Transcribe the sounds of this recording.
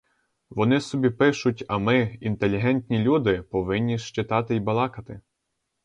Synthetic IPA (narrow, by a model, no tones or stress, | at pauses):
ʋɔnɪsɔbʲipɪʃʊtʲɐmɪint̪elʲːiɦɛnʲt̪ʲnʲilʲud̪ɪpɔʋɪnʲːiʃt͡ʃɪt̪ɑt̪ɪjbɐlˠɑkɐt̪ɪ